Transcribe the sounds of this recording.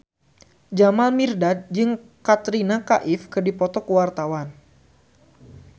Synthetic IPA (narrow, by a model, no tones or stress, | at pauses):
d͡ʒamalmirdad̪̚d͡ʒɨŋkat̪ɾinaka̰ʔɪfkɨrdipɔt̪ɔkəwart̪awan